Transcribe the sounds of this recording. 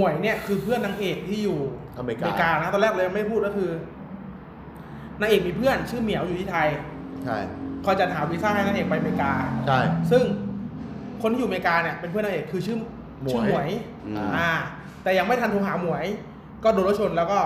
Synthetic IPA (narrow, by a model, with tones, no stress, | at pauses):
mu˨˩˦əjni˥˩ɐkʰɯː˧pʰɯ˥˩ənːaː˧ŋʔeː˨˩k̚t̪ʰiː˥˩juː˨˩ | m˧eː˧kaː˧na˦˥t̪ɔː˧nlɛː˥˩k̚lːja˧m˥˩puː˥˩kɔː˥˩kʰɯː˧ | naː˧ʔeː˨˩k̚miː˧pʰɯ˥˩ənt͡ɕʰɯː˥˩mi˨˩˦wjuː˨˩t̪ʰiː˥˩a˧jʰ | kʰɔː˧jt͡ɕa˨˩t̪̚hɦaː˩˦wiː˦˥saː˥˩ha˥˩na˧ʔeː˨˩k̚pa˧jmeː˧kaː˧t͡ɕʰa˥˩sɯ˥˩ŋ | kʰo˧ntʰiː˥˩˨uː˨˩eː˧kaː˧ni˥˩ɐpe˧npʰɯ˥˩˨n˧a˧˨ʔeː˨˩kʰːɯː˧t͡ɕʰɯː˥˩˧ | ɯ˦˥˩mu˨˩˦əj | ʔaː˧˩ | t̪ɛː˨˩ja˧ŋma˥˩jt̪ʰa˧t̪ʰoː˧˦ɦaː˩˦mu˨˩˦əj | kɔː˥˩doː˧nɾo˦˥t͡ɕʰo˧nlɛː˦˥wkɔː˥˩